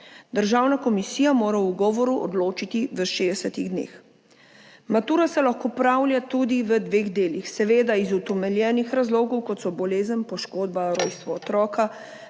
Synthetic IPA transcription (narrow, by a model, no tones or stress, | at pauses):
d̪əɾʒaːwnakɔmisiːjamoːɾauɡɔːʋɔɾuʔɔ̰d̪loːt͡ʃit̪iʋəʃeːd̪ɛsɛt̪iɣd̪nḛːx | mat̪uːɾasɛlaxkopɾaːwlʲjat̪ud̪iʋəd̪ʋeːɣd̪eːlixsɛʋeːd̪aizut̪ɛmɛljɛːnixɾazloːɡɔwkɔt̪sɔbɔleːzənpɔʃkoːd̪̚baɾoːjst̪ʋɔːt̪ɾɔːka